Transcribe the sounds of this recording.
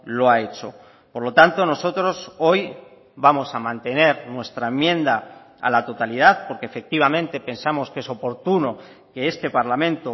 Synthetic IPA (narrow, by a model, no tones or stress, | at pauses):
lo̞aet͡ʃo | poɾlot̪ant̪o̞no̞so̞t̪ɾo̞so̞j | bamo̞samãnt̪e̞ne̞ɾnwe̞st̪ɾaemːjẽ̞nd̪a | a̰lat̪o̞t̪alið̞aθpo̞ɾkefe̞k̚t̪iβ̞amẽnt̪e̞pe̞nsamo̞ske̞so̞po̞ɾt̪uno̞ | ke̞est̪e̞paɾlamẽ̞nt̪o